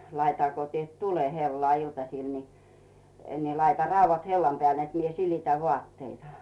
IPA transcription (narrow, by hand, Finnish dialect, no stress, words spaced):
lɑitɑ ko tiet tule helːŏɑˑ iltɑsiˑl ni ni lɑitɑ rɑuʋːɑt helːɑm peæˑl net mie silitæ ʋŭɑˑtːeitɑ